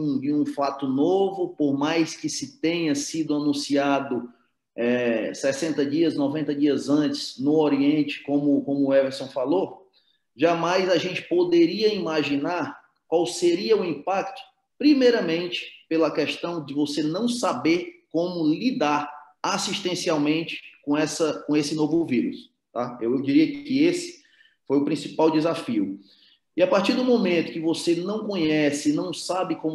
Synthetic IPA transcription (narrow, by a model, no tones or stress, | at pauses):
ũd͡ʒɪũfat̪ʊnovʊpoɾmajskɪsɪt̪ẽɲɐsid̪ʊanũsiad̪ʊ | ɛsɛsẽnt̪ɐd͡ʒiɐsnɔvẽnt̪ɐd͡ʒiɐzɐ̃t͡ʃɪ̥znʊoɾiẽnt͡ʃɪ̥kõmʊkõmʊɛveɾsõw̃falo | ʒamajzaʒẽnt͡ʃɪ̥pod̪eɾiɐimaʒinaɾ | kwawseɾiɐʊĩpakt̪ʊ̥ | pɾimejɾɐmẽnt͡ʃɪ̥pelɐkɛʃt̪ɐ̃w̃d͡ʒɪvosenɐ̃w̃sabeɾkõmʊlid̪aɾ | asiʃt̪ẽsiawmẽt͡ʃɪ̥kõɛsɐkõesɪnovʊviɾʊ̰s | t̪aewewd͡ʒiɾiɐkɪesɪ̥ | fojʊpɾĩsipawd͡ʒɪzafiʊ | ɪapaɾt͡ʃiɾd̪ũmõmẽnt̪ʊkɪvosenɐ̃w̃kõɲɛsɪnɐ̃w̃sabɪkõm